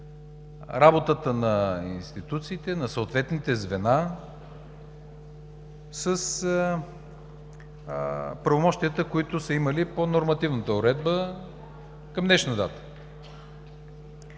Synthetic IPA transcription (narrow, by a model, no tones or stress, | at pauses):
ɾabot̪ət̪ənɐinst̪it̪ut̪siːt̪ɛnɐsəot̪vɛt̪nit̪ɛzvɛna | səs | pɾɐvomɔʃt̪ijət̪əkoit̪ʊsɐiməliponoɾmɐt̪ivnət̪əʊɾɛd̪bə | kɐmnɛʃnəd̪at̪ə̥